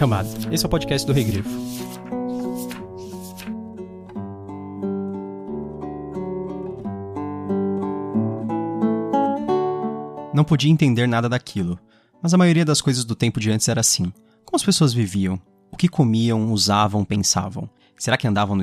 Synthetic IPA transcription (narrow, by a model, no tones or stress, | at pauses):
ɐmad̪ʊesɪɛwpod͡ʒikɛst͡ʃɪd̪ʊɦeɡɾifʊ̥ | nɐ̃w̃pod͡ʒiɐẽnt̪ẽnd̪eɾnad̪ɐd̪akʰilʊ | mɐzɐmajoɾiɐd̪ɐskojzɐzd̪ʊt̪ẽmpʊd͡ʒiɐ̃t͡ʃɪ̥zɛɾɐasĩ | kõmʊɐspesoɐzviviɐ̃w̃ | ʊkɪkʰomiɐ̃w̃uzavɐ̃w̃pẽsa̰vɐ̰̃w̃ | seɾakɪɐ̃nd̪avɐ̃w̃n